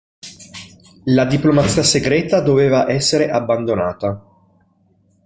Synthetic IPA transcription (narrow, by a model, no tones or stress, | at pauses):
lad̪iplomat̪sːiːaseɡɾɛːt̪ad̪oveːvaʔɛsːeɾeʔabːand̪onaːt̪a